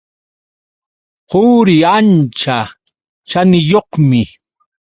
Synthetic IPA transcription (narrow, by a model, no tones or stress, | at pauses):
qoːɾɪant͡ʃa | t͡ʃanɪjoqmɪ